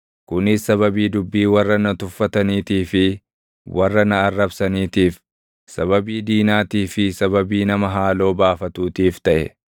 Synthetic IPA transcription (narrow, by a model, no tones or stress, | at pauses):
kʊnɪsːɐβɐbiːd̪ʊbːiːwɐrːɐnɐt̪ʊfːɐt̪ɐniːt̪iːfɪ | wʔɐrːɐnɐːrːɐbsɐniːt̪iːf | sɐβɐbiːd̪iːnaːt̪iːfɪsɐβɐbiːnɐmɐɦaːlo̞ːbaːfɐt̪uːt̪iːft̪ɐʔɛ̰